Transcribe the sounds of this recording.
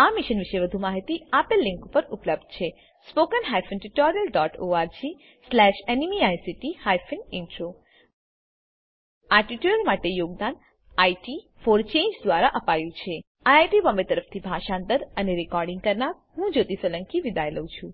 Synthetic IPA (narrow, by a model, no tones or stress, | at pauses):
amiʃənʋɪʃeʋəd̪ʱumaɦit̪iapəlːĩŋkupəɾupləb̚d̪̥̚t͡ʃʰe | spokənɦajfʰənʈuʈɔɾijəlɖɔʈoaɾd͡ʒi | slɛʃenimiajsiʈihajfʰənɪɳʈɾo | aʈiʈjuəlmaʈejoɡ̚d̪an | ajʈi | foɾt͡ʃẽɲd͡ʒd̪ʋaɾaʔəpajũt͡ʃʰe | aajʈibɔ̃mbet̪əɾəft̪ʰibʱaʃãnt̪əɾəneɾikɔɾɖɪŋɡkəɾnaɾ | ɦũd͡ʒot̪isʋələŋkiʋid̪ajləũt͡ʃʰũ